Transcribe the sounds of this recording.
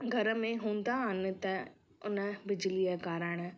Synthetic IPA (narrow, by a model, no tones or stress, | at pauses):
ɡʱɐɾəmẽɦũːnd̪aːɐnːɨt̪ɛ | ʊnɐbɪd͡ʒlijɐkaːɾaɳɐ